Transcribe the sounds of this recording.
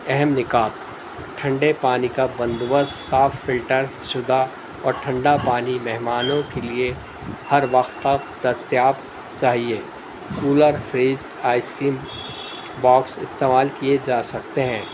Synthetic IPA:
ɛɦɛmnɪkaːt̪ | ʈʰɐ̃ɳɖepaːnikabɐ̃nd̪bəssaːfːɪlʈəɾʃʊd̪ʱa | ɔːɾʈʰɐ̃ɳɖapaːnimɛɦmaːnõkelie | hɐɾʋɐxt̪ːək | d̪ɐsjaːb | t͡ʃaːɦie | kuːləɾfɾiːz | aːɪskiːm | baːksɪst̪eːmaːlkied͡ʒaːsɐk̚t̪eɦɛ̃ː

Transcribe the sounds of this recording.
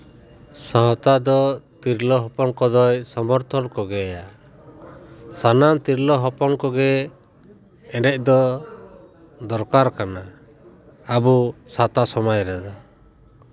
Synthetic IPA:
sɔɦɔt̪ad̪ɔt̪iɾlɔɦɔpɔnkɔd̪ɔjsɔmɔɾt̪ʰɔnkɔɡɛja | sanant̪iɾlɔɦɔpɔnkɔɡɛ | ɛɖɛc̚ˀd̪ɔ | d̪ɔɾkaɾkana | abusat̪asɔmajɾɛd̪a

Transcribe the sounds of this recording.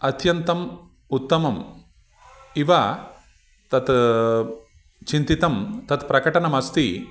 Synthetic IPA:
ɐt̪ʰjɐnt̪ɐm | ut̪ːɐmɐm | iʋa | t̪ɐt̪ | t͡ʃint̪it̪ɐmt̪ɐt̪pɾɐkɐʈɐnɐmɐst̪i

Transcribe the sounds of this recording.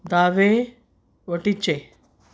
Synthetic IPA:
d̪aːʋe | ʋəʈit͡ɕe

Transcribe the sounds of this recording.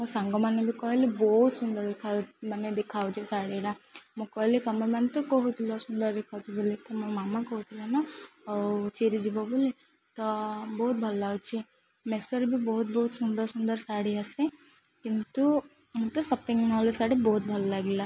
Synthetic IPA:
mɔsaŋɡɔmanebikɔɦelibɔɦut̪sund̪ɐɾd̪ekʰamaned̪ekʰawt͡ʃʰisaɽiɽamɔkɔɦelikɐmemanet̪ukɔɦut̪ʰilɔsund̪ɐɾd̪ekʰawt͡ʃʰibulit̪ɔmɔmaːmakɔɦut̪ʰilanɔ | t͡ʃeɾid͡ʒibɔbuli | t̪ɔbɔɦut̪̚bʱɔllaɡut͡ʃʰi | mesʈɔɾbʱibɔɦut̪̚bɔɦut̪sund̪ɔɾsund̪ɐɾsaːɽiase | kint̪u | t̪ɔsɔpiŋɡnɔlesaɽibɔɦut̪̚bʱɔlɔlaɡila

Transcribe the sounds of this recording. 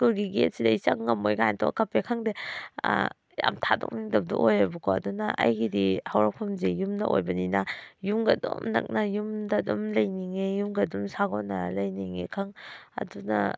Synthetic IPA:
kuɾɡiɡet̚sidaisaŋŋɐmojɡajntʰɔkapekʰaŋde | ja̰mtʰadɔ̰k̚niŋdab̚dṵʔojabukɔɐdunaʔa̰jɡidihawɾakpʰumzejumnaʔojbɐninajumɡɐdɔmnɐ̰k̚najumdadɔmlɐjniŋejumɡɐdumsaɡɔna̰lɐjniŋekʰaŋɐ̰duna̰

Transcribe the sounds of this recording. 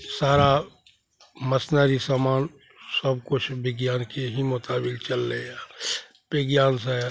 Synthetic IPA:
saːɾa | məsnaɾisamaːn | səb̚kʊt͡ʃʰbɪɡjaːnkeɦimot̪aːbɪlt͡ʃəlːea | bɪɡjaːns̬e

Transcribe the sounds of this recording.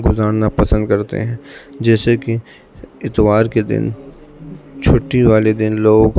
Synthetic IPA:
ɡʊzaːɾnapɐsə̃nd̪̚kɐɾt̪ḛɦɛ̃ːd͡ʒɛːseki | ɪt̪ʋaːɾked̪ɪ̰n | t͡ʃʰʊʈːiʋaːled̪ɪnloːɡ

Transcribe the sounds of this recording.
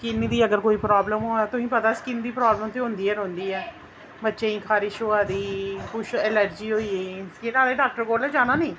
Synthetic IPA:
kɪnd̪iːəɡəɾkoːiːpɾaːbləmɦoːɛːt̪ʊsĩːpət̪aːskɪnd̪iːpɾaːbləmt̪eːɦõːnd̪iːɛːɾõːnd̪iːɛː | bətːʃeːĩːkʰaːɾɪʃɦoːaːd̪iːkʊʃɛləɾd͡ʒiːɦoːiːeːskeʈaːleːɖaːk̚ʈəɾɡoːɾlɛːd͡ʒaːnaːneĩː

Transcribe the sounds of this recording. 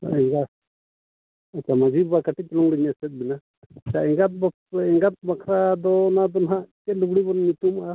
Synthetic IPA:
a̰ɛŋɡat | at͡ʃamad͡ʒibakaʈit̪ɔlɔŋɽiɲasɛt̪̚bina | t͡ʃaɛŋɡat̪̚b | ɛŋɡat̪̚bakʰɾad̪ɔnad̪ɔnɦãʔkɛluɡɽibɔnɲut̪uma

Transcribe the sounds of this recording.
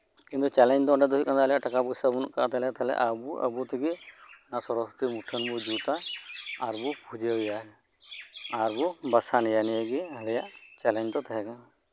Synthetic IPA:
kint̪ut͡ʃɛlɛɲd̪ɔɔɳɖɛd̪ɔɦukand̪alɛjaʔʈakabusabunʔka̰ʔat̪aɦlɛat̪aɦlɛ̰ʔabua̰but̪ʰiɡinasɔɾɔsu̥t̪imuʈʰənbud͡ʒut̪aː | ɾbupʰud͡ʒeja | aɾbubasanɛjanijəɡiɦɛlɛjaʔt͡ʃɛlɛɲd̪ɔt̪aɦɛka

